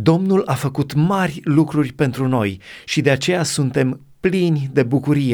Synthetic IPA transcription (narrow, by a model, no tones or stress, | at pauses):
d̪o̞mnulafəkut̪marʲlukɾurʲpe̞nt̪ɾuno̞jʃid̪e̞at͡ʃe̞jasunt̪e̞m | plinʲd̪e̞bukuɾije̞